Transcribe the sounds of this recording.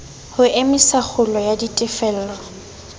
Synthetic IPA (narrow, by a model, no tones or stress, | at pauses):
hʊʔɪmɪsak͡xʰʊlɔjaditʼɪfɛl̩ːlɔ